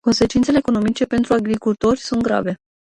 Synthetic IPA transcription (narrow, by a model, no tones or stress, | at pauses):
ko̞nse̞t͡ʃint̪sele̞ːko̞no̞mit͡ʃe̞pe̞nt̪ɾuaɡɾikult̪o̞rʲsunt̪̚ɡɾa̰ve̞